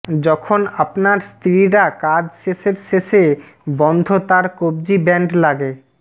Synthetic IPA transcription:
d͡ʑɔkʰonapnaɾst̪ʰɾiɾakad͡ʑʃeʃeɾʃeʃe | bɔnd̪ʱot̪aɾkob̚d͡ʑibɛɳɖlaɡe

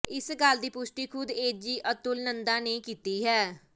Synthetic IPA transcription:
ɪsɡald̪iːpʊsʈiːkʰʊd̪eːd͡ʒiːʔət̪ʊlnənd̪aːneːkiːt̪iːɦɛː

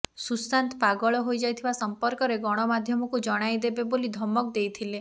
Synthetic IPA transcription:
susant̪paɡɔɭɔɦojd͡ʒajt̪ʰibasɔmpɔɾkɔɾeɡɔɽ̃ɔmad̪ʱjɔmɔkud͡ʒɔɽ̃ajd̪ebebolid̪ʱɔmɔk̚d̪ejt̪ʰile

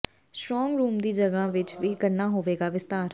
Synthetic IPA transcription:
sʈɾɔːŋɡɾuːmd̪iːd͡ʒəɡãːʋɪt͡ʃʋiːkəɾnaːɦoːʋeːɡaːʋɪst̪aːɾ

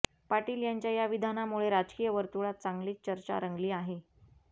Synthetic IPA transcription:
paʈiːljaɲt͡ɕjajaʋid̪ʱanamuɭeɾad͡zkijəʋəɾt̪uɭat̪̚t͡saŋɡliːt̚t͡ɕəɾt͡ɕa̰ɾəŋɡliːaɦe

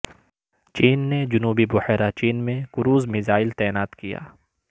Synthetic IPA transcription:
t͡ʃiːnːed͡ʒʊnuːbibʊhɛːɾat͡ʃiːnmẽkʊɾuːzmɪzaːɪlt̪ɛːnaːt̪kija̰ː

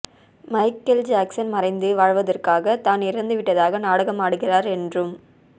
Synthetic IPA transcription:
mɐɪkːɐld͡ʒaːksɐnmɐrɐɪnd̪ɯʋaːɻʋɐðɐrkaːɣɐt̪aːnɪrɐnd̪ɯʋɪʈːɐðaːɣɐnaːɽɐɣɐmaːɽɯɣɪraːɾɛndrɯm

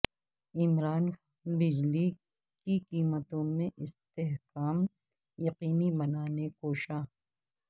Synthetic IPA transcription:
ɪmɾaːnxaːnbɪd͡ʒli | kiqiːmət̪õmẽʔɪst̪eɦkaːm | jɐqiːnibɐnaːnekoːʃaː

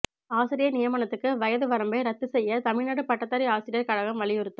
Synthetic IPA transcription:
aːsɪɾɪjɐnɪjɐmɐːnɐt̪ːɯkːɯʋɐjɐðɯʋɐɾɐmbɐɪɾɐt̪ːɯsɛjːɐt̪ɐmɪɻnaɽɯpɐʈːɐt̪ːɐɾiaːsɪɾɪjɐkɐɻɐɣɐmʋɐɭɪjɯɾɯt̪ːɯ

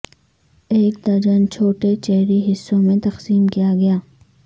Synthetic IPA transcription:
eːk̚d̪aːd͡ʒənt͡ʃʰoːʈet͡ʃɛɦɾiɦɪsːõmẽt̪ɐqsiːmkijaɡɐjaː

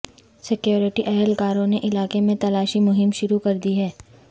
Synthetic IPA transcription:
sɪkjoːɾɪʈiʔɛɦlkaːɾõneʔɪlaːkemẽt̪ɐlaːʃimʊɦɪmʃʊɾukɐɾd̪iɦɛː

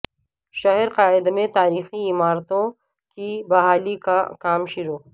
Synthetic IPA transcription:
ʃɐɦəɾqaːɪd̪mẽt̪aːɾiːxiɪmaːɾt̪õ | kibɐɦaːlikakaːmʃʊɾoː

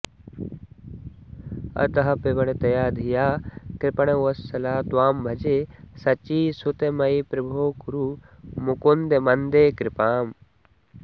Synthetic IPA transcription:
ɐ̰t̪ɐɦɐpeʋɐɽ̃et̪ɐjaːd̪ʱijaːkɾɪpɐɽ̃eɐsɐlaːt̪waːmbʱɐd͡ʒesɐt͡ʃiːsut̪emɐjipɾɐbʱoːkuɾu | mukond̪emɐnd̪eːkɾɪpaːm

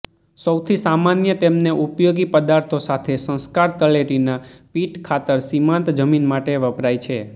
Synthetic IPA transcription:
səwt̪ʰisamanjət̪emneʔupjoɡipəd̪aɾt̪ʰosat̪ʰesə̃skaɾt̪əleʈinapiʈkʰat̪əɾsimãnt̪d͡ʒəminmaʈeʋəpɾajt͡ʃʰe

